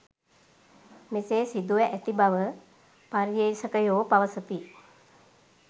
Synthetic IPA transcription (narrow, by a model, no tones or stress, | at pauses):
meseːsid̪uʋɛʔæt̪ibaʋə | paɾjəisəkəjoːpaʋəsət̪i